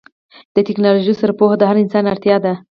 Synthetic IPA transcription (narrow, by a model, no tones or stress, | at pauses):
d̪̥ət̪ɪknɑloʒisəɾpoxd̪əɦaɾɪnsɑnaɾt̪jɑd̪a